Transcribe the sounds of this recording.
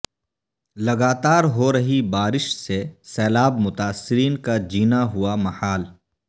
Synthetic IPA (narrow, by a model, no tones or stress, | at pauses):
lɐɡaːt̪aːɾɦoɾɐɦibaːɾɪʃsesɛːlaːbmʊt̪aːsːɪɾiːnkad͡ʒiːnaɦʊamɐhaːl